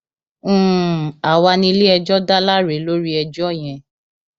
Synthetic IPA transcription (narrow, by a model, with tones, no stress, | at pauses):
a˨wa˧nĩ˧li˦ɛ˧d͡ʒɔ˦da˦la˦ɾe˨˦lo˦ɾi˦ɛ˧d͡ʒɔ˦˨j̃ɛ̃˧˨